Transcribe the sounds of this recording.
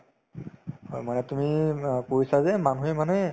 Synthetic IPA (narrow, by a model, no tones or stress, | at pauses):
ho̰jmanɛtumipoɹisazɛmanuemanɛ